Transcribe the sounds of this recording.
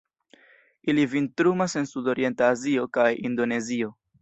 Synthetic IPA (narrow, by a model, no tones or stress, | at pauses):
ilivintɾumase̞nsudo̞ɾie̞ntaːzio̞kajindo̞ne̞zio̞